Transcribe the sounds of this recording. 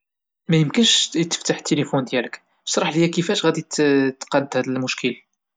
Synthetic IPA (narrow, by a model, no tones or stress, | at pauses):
mæjəmkənʃjət̪ːə̥ft̪aħt̪ːelifund̪jælək | t̪ˤɾˤɑħljækifæʃɣæd̪itt̪ːqɑd̪ːhæd̪əlmʊʃkʰəl